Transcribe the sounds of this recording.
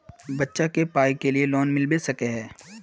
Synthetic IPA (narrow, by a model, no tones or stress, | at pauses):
bɐtːʃakepaːikelielɔːnmɪlbesɐkeɦɛː